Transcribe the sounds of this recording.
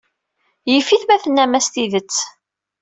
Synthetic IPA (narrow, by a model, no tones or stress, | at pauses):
jəfiθmæθənːæmæst̪iðət͡sː